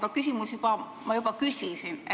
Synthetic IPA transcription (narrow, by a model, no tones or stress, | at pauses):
b̥ɑkys̬ʲimusjub̥ɑ | mɑjubɑkysʲisin